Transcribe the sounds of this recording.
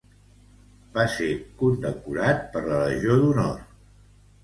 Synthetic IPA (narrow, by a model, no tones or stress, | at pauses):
b̥aseɾkund̪əkuɾat̪̚pəɾləɾəʒioðunɔr